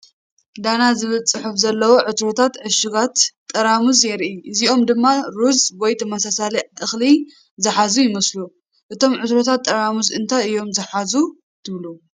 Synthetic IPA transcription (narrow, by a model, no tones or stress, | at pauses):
d̪anazɨβɨlt͡sʼːɨħufzɐlːɐwoʕɨt̪ɾot̪ʰat̪ʕɨʃɪɡat̪ʼːɐɾamuzjɛɾʔiʔɨziʔo̞md̪ɨmːaɾuzwojt̪ʰmasasaliʕʔɨxli | zɨħazujɪmɐslu | ʔɨt̪ʰo̞mʕɨt̪ɾot̪ʰat̪ʼːɐɾamuzɨnt̪ʰaɨjo̞mzɨħazu | t̪ʰɨβlu